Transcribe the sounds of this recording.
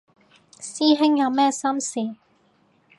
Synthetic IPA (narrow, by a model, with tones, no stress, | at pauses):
siː˥ɦɪ˥ŋjɐ˨˧wmɛː˥sɐ˥msiː˨